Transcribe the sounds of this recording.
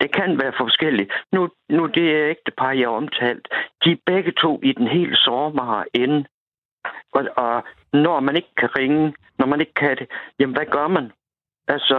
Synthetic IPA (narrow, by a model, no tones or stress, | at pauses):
d̥ekʰænʋæːɐfɒ̽sɡ̥el̰inu | nud̥e̝æeɡ̥̚d̥əpʰɑ̈ːjɑɒ̽mt͡sʰɛ̰ːld̥d̥ib̥eɡ̥ət͡sʰo̝̰ːid̥enɦe̝̰ːləsɒːmɑ̈ːen | ʔɒ̽ | nɒmæne̝ɡ̥əkʰæʁeŋə | nɒmæne̝ɡ̥əkʰæd̥e̝jemnʋæɡ̥ɶɐmæn | ʔælsɒ